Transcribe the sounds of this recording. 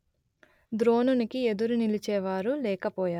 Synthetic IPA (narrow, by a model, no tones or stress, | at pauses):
d̪ɾo̞ːnunikie̞d̪uɾunilit͡ʃɛːʋaːɾulɛːkɐpɔːjaːɾ